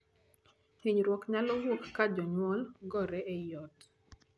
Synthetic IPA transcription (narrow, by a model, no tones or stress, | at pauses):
hiɲɾwɔkɲalɔwokːad͡ʒɔɲwɔlɡɔɾɛʔɛjɔt